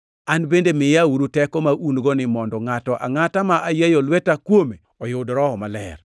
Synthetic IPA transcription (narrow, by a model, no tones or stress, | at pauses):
anbendemɪjauɾutɛkɔmaʔunɡɔnɪmɔndɔŋatɔʔa̰ŋatamaʔajajɔlwetakwome | ɔjʊdɾɔɔmalɛ̰r